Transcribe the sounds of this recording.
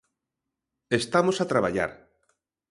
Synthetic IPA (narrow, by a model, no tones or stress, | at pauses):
est̪amosat̪ɾaβaʎa̰ɾ